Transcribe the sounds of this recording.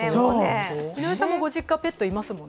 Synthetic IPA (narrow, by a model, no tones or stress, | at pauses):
oinoisãmːoɡo̞ʑikːãpe̞t̪ːoimasɨmõ̞nː